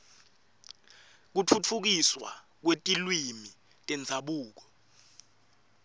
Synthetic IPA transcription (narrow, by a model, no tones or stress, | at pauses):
k̬ut͡fʰut͡fʰuk̬iswa̰ | k̬wetʼilwimi | tʼɛnd͡zʱaɓuːk̬ɔ